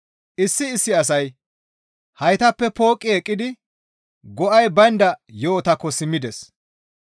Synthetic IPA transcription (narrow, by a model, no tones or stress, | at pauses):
ʔɪsːɪːsːɪɐs̬ɐj | hɐjt̪ɐpːɛpo̞ːkʼːɪɛkʼːɪd̪ɪ | ɡɔʔɐjbɐnd̪ɐjoːt̪ɐkːɔsɪmːɪd̪ɛs